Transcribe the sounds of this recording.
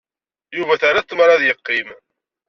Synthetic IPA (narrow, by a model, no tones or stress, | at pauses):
juvæθaɾat͡s̪ːmɾˤɑðjəqːim